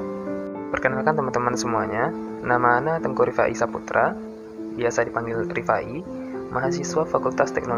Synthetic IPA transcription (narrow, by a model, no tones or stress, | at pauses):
pərkənaakant̪əmant̪əmansəmuaɲa | namaːnat̪əŋkoɾifa̰ʔḭsaput̪ɾʔa | biasadipaŋɡilrifaʔi | mʔaɦasiswafakult̪ast̪ɛ̰k̚nol